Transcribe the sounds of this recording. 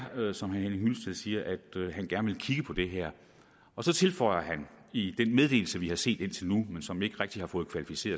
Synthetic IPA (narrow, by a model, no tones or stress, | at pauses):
sɒ̽mɦænhenhylsd̥ʰe̝ð̰ˠsiːɐʔæd̥ɦænɡ̥æɐnəʋe̝lkʰiɡ̥əpʰɒ̽d̥e̝ɦæɐ̰ | ɒ̽sɒ̽t͡sʰe̝lfɒ̽ɪ̰ɐɦæn | id̥enmeð̞ˠd̥e̝̰ːl̩səʋihɑ̈se̝̰ːd̥e̝n̰t͡sʰe̝lnumensɒ̽me̝ɡ̥əʁɛɡ̥̚d̥ihɑ̈fɔ̽ːð̞̩ˠkʰʋælifise̝̰ːɐ